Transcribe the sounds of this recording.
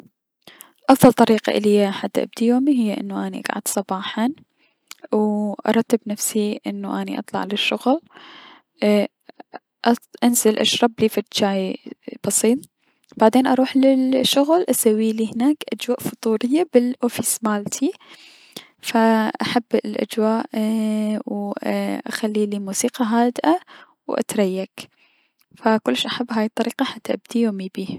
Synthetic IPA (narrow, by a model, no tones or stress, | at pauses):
ʔɑfd̪ˤɑlt̪ˤɑɾiːqa̰ʔɪ̰lɪjːaħad̪ːʔa̰b̚d̪ijoːmiɦɪjːaʔɪ̰nːuʔanḭʔa̰ɡʕa̰d̪̥sˤɑbɑːħɑ | wʔɑ̰ɾˤɑt̪ːɪbnafsiʔɪnːuʔanḭʔɑ̰t̪ˤlɑ̰ʕlɪʃːʊɣl | ʔʔanzɪlʔa̰ʃɾˤɑbliːfat̪d͡ʒaːjb̥ɑsˤiːt̪ˤ | b̥aʕd̪eːnʔɑɾˤuːħlɪlʃʊɣlʔasawːiːliːhɪnaːkʔad͡ʒwaːʔfʊt̪ˤuːɾɪjːabɪlʔoːfismaːlt̪ʰi | faʔaħabːlʔa̰d͡ʒwaːʔ | wʔa̰xalːiːlimuːsiːqɑɦaːd̪ʔa | wʔa̰t̪ɾˤajːak | fakʊlːʃʔaħabːɦaːjɪt̪ˤːɑɾiːqɑħat̪ːaʔab̚d̪ijoːmibiːh